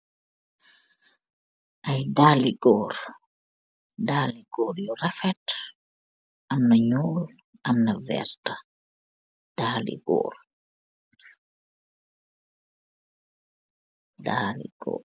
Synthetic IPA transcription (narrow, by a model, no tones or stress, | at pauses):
ʔɐjdaːliɡɔːɾ | daːliɡ̥ɔːɾjɔrafɛt | ʔɐmnɐɲɔːl | ʔɐmnɐvɛ̰ɾta | d̥aːlḭɡɔ̰ːr | daːlḭɡ̥ɔ̰ː